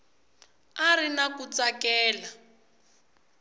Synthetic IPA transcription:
arinakut͡sakɛːla

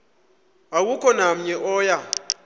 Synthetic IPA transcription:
awukʰɔnam̩ɲɛʔɔːja

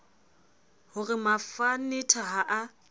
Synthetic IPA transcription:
hʊrɪmafanɪtʰaɦaʔa

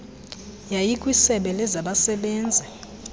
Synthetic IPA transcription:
jajikʼwisɛɓɛlɛzaɓasɛɓɛːnd͡zʱɛ

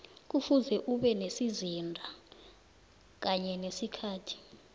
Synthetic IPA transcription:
k̬ufuzɛʔuɓɛnesizindʱa | k̬aɲɛnesikʰaːtʰi̥

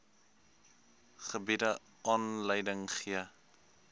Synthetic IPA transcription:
χəbidə | ʔɑːnləjdəŋχiə

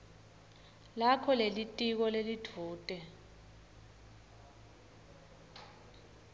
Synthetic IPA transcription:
lakʰɔlelitʼik̬ɔlelitʰuːtʼɛ

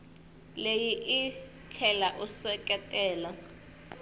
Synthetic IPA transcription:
lejiʔi | t͡ɬʰɛlaʔuswɛkʼɛtʼɛːla

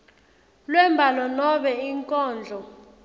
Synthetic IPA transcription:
lwɛmbʱalɔnɔɓɛiŋkʼɔːnd͡ɮʱɔ

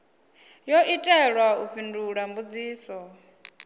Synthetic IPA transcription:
jɔʔitʼɛɺwauɸʰinduɺambud͡ziːsɔ

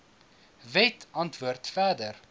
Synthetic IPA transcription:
vɛtʰɐntvuərtfæːdər

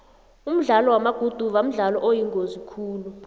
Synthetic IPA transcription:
um̩ɮalɔwamaɡ̥ʱud̥ʱuɓam̩ɮalɔʔojiŋozikʰuːlu

